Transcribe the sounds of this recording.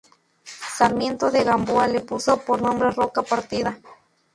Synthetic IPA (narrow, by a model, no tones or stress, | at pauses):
saɾmjent̪oðeɣamboalepusopoɾnombɾerokapaɾt̪iða